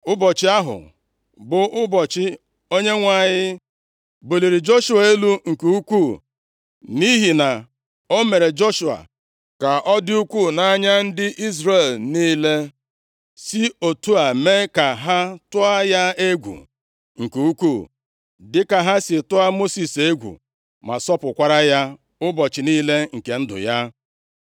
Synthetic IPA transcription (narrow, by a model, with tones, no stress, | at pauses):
ʊ˦bɔ˨t͡ʃɪ˦a˦ɦʊ̰˨ | bʊ˨ʔʊ˦bɔ˨t͡ʃɪ˦ | o˦ɲe˦ŋʷa˦˨ɲɪ˦ | bu˨li˨ɾi˨d͡ʒo˦ʃu˨a˨e˦lu˦ŋ̩˨ku˦kʷu˦˨ | ni˦ɦi˨na˨ | o˦me˨ɾe˨d͡ʒo˦ʃu˨a̰˨ | ka˨ʔɔ˦dɪ˦u˦kʷu˦˨na˦ɲa˦n̩˦dɪ˦ʔi˦zɾe˨lniː˦le˦ | si˦o˨tu˦a˨me˦ka˨ɦa˦tʊ˦a˦ja˦e˦ɡʷṵ˨ | ŋ̩˨ku˨u˦kʷuː˦˨ | dɪ˦ka˨ɦa˦sɪ˨tʊ˦a˦mo˦si˨se˦ɡʷṵ˨ | ma˨sɔ˦pʊ˨kʷa˦ɾa˦ja˦ | ʊ˦bɔ˨t͡ʃɪ˨niː˦le˦ŋ̩˨ke˨n̩˦dʊ̰˨ja˦